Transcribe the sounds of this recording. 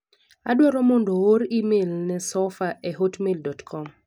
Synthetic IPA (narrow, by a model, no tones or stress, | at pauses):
adwɔɾɔmɔndooɾimelnɛsɔfaʔɛɦotmeldɔtkʰɔm